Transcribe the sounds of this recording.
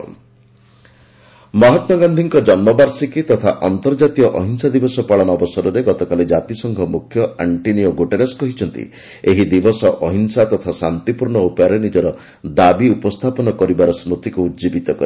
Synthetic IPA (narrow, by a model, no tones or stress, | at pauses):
mɔɦɔt̪mɔɡand̪ʱiŋkɔd͡ʒɔnmɔbaɾsikit̪ɔt̪ʰaʔɔnt̪ɔɾd͡ʒat̪ijɔʔɔɦinsad̪ibɔsɔpaɭɔnɔɔbɔsɔɾɔɾeɡɔt̪ɔkaled͡ʒat̪isɔŋɡʱɔmukʰjɔaɳʈinioɡoʈeɾaskɔɦit͡ʃʰɔnt̪ḭ | eɦid̪ibɔsɔʔɔɦinsat̪ɔt̪ʰasant̪ipuɾɳɔupɔjaɾenid͡ʒɔɾɔ | d̪abiupɔst̪ʰapɔnɔkɔɾibaɾɔsmɾut̪ikuːt̪d͡ʒibit̪ɔkɔ̰ɾi